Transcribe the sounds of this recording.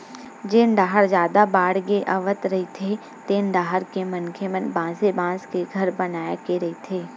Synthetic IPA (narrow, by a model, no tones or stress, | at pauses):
d͡ʒeːnɖaːɦəɾd͡ʒjaːd̪abaːɽɡeʔɐʋət̪ɾɐɦit̪ʰe | t̪eːnɖaːɦəɾkemɐnkʰemənbãːsebãːskeɡʱɐɾbɐnaːjakeɾɐit̪ʰeː